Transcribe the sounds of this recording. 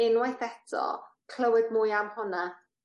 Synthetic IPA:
ɪnwajθɛtʰɔ̰ | kʰl̥əwɨdmʊjamhɔna

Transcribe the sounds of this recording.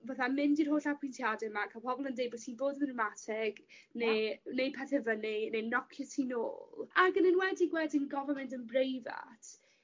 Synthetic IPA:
vaθamɪndirɦoːɬapʰwɪntʰjadɛmakʰapʰɔbɔlˠəndejbɔtʰiːnboːdəmnəmatʰɪɡ̥nenejpʰaθɛvənenejnɔkʰjətʰiːno̰ːlˠaɡənɪnwɛdiɡwɛdinɡɔvəmɛntənbrejva̰tʰ

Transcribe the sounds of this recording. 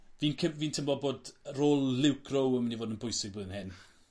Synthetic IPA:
viːnkʰəviːntʰəmbɔboːdroːlˠlɪwkʰrowəmənivoːdənbʊjsɪɡ̚boːðənhɪn

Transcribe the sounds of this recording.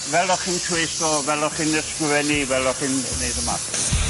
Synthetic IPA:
vɛlˠɔχintʰwejsɔvɛlˠɔχinəskwvɛnivɛlˠɔχinnejdəma̰t

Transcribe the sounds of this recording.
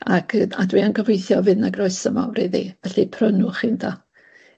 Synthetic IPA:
akʰəa̰dwiənɡəvejθjɔvɨnaɡrɔɨsəma̰wriðḭvɛɬipʰrənʊχɪndʰɔ

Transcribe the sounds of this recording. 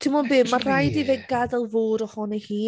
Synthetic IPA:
tʰɪmɔbeːmar̥ajdiveɡ̚ɡadɛlˠvoːɾɔhɔnihiː

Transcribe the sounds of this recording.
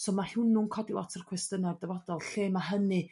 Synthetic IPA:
soːmahɪnuŋkʰɔdilˠɔ̰tʰərkʰwɛstənardɛvɔdɔlˠɬeːmaɦənɨ

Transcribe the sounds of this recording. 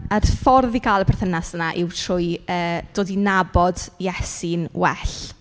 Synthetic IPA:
ərfɔrðiɡalˠəpʰɛrθənasd̥ənaʔɪwtʰrʊjəːd̥oːdinabɔdjɛsɪnwɛɬ

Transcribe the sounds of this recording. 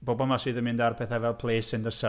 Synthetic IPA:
b̥oːbɔmasiðəmɪ̃ndarpʰɛθavɛlˠpʰl̥ˠeːsɪnðəsa

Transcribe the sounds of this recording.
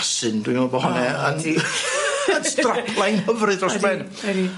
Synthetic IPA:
sɨndwinɔbɔɦɔnɛən | əstrapʰlˠajnhəvrɨðrɔsmɛn | ɾi

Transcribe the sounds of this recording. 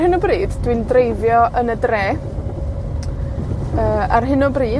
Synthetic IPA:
hɪnɔbriːdd̥windrejðjɔʔənədreː | əːarɦɪnɔbriː

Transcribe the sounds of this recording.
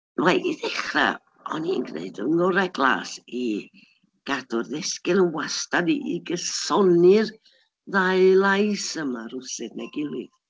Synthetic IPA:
wajʔiðɛχra̰ | ɔniə̰nɡrḛɨdə̰nɔɾɛɡlˠa̰ːsi | ɡ̥adʊrðɛskɪlˠənwastadiʔiɡəsɔnɨr | ðaɨlˠajsəmaɾʊsɨdnɛɡɪlˠɪð̥

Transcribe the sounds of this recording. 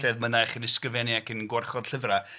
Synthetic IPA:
ɛðmənajχənɪskəvɛniakənɡwarχɔd̥ɬɪvra

